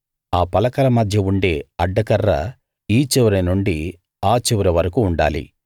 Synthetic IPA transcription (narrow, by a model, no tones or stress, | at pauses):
aːpɐlɐkɐlɐmɐd̪ʱjɐuɳɖe̞ːɐɖːɐkɐrːɐ̰ | iːt͡ʃɛʋɐɾɐnuɳɖi | aːt͡ʃɛʋɐɾɐʋɐɾɐkuːɳɖa̰ːlḭ